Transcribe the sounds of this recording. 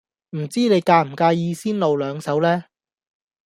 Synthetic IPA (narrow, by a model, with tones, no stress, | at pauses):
m̩˨˩t͡siː˥ne˨˧jkaː˧m̩˨˩kaː˧jiː˧siː˥nlo˨wlœː˨˧ŋsɐ˨˥wlɛː˥